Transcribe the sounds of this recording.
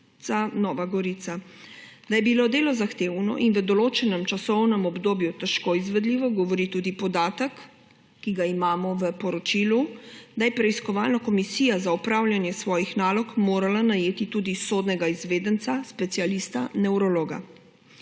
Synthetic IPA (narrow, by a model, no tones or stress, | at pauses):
anɔːʋaɡɔɾit̪sa | d̪̥ajɛbilod̪eːlɔzaxt̪eːwnɔ̰ʔinʋəd̪ɔloːt͡ʃɛnɛmt͡ʃasɔwnɛmɔbd̪oːbjut̪ɛʃkoizʋɛd̪liːʋɔɡɔʋɔɾit̪ud̪ipɔd̪aːt̪əkː | iɡaimaːmɔʋəpɔɾɔt͡ʃiːlud̪ajɛpɾɛiskɔʋaːlnakɔmisiːjazaupɾawljanjɛsʋɔːjixnaːlɔkmoːɾalanajeːt̪it̪uːd̪isod̪nɛɡaizʋeːd̪ənt̪saspɛt̪sialist̪anɛwɾɔloːɡa̰